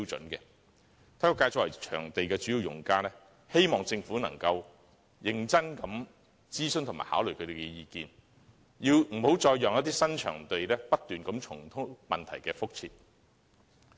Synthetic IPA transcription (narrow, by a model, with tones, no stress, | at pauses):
i˥wt͡sɵ̰˨˥nkɛ˧ | t̪ʰaː˨˥kːkaː˧jt͡sɔ˧˨wɐ̰˨˩t͡ʃʰœ̰ː˨˩ŋt̪e˨jkɛː˧t͡ʃyː˨˥i˨˧wjʊ̰˨˩ŋkaː˥nɛː˥ | he˥jmɔː˨˩ŋt͡sɪ˧ŋfuː˨˥nɐ̰˨˩ŋkɐ˧w | jɪ˨˧ŋt͡sɐ˥nkɐ˨˥m | t͡siː˥sɵ˥nt̪ʰma̰ː˨˩haː˨˥wlɵ˨˩kʰɵ˨˧t̪e˨˩kɛ˧jiː˧kiː˧n | jiː˧wm̩˨˩ho˨˥wt͡sɔː˧jːɔː˨ŋjɐ˥t̪iː˥sɐ˥nt͡ʃʰœː˨˩ŋt̪e˨jlɛː˥pɐ˥t̚t̪yː˨nkɐ˨˥mt͡ʃʰʊ˨˩ŋt̪ʰʊ˥ŋmɐ˨nt̪ʰɐ˨˩jkɛː˧fʊ˥k̚t͡sʰiː˧t̚